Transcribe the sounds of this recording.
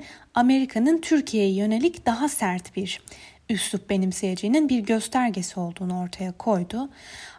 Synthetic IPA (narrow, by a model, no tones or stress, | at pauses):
ame̞ɾikʰanɯnt̪ʰyɾcʰijejɛjø̞ne̞lʲicd̪̥aɦasæɾt̪b̥iɾ | ysup̚be̞nimsejed͡ʒijininbiɾɟø̞st̪ʰæɾɟe̞sio̞lˠd̪uːnuo̞ɾt̪ʰajakʰo̞jd̪ʊ